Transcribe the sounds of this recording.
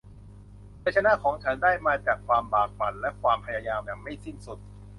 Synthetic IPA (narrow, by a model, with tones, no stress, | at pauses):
pa˧t͡ɕʰa˧na˦˥kʰɔː˩˦ŋt͡ɕʰa˦˥ndaː˥˩jmaː˧t͡ɕaː˨˩kʰwaː˧mbaː˨˩k̚fa˨˩nlɛ˦˥ʔkʰwaː˧mpʰa˧jaː˧jaː˧mjaː˨˩ŋma˥˩jsi˥˩nsu˨˩t̪̚